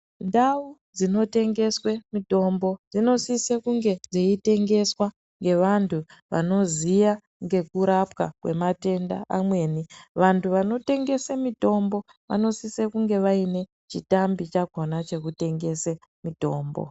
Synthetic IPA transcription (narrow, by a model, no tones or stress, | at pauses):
ndau | d͡zino̞te̞ŋɡe̞swe̞mito̞mbo̞d͡zino̞sisekuŋɡe̞d͡zeite̞ŋɡe̞swa | ŋɡe̞ʋantʰuʋa̰no̞zija | ŋɡe̞kuɾapkakwe̞̰mate̞nda̰amwe̞ːniʋantʰuʋano̞te̞ŋɡe̞semito̞mbo̞ | ʋa̰no̞sisekuŋɡe̞ʋaine̞ | t͡ʃitambit͡ʃaɡʱo̞nat͡ʃe̞kute̞ŋɡe̞se | mito̞ːmbo̰